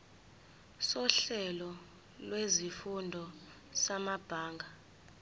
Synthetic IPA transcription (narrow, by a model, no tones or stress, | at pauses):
sɔɬɛlɔ | lwezifundʱɔ | samab̥ʱaːŋɡʱa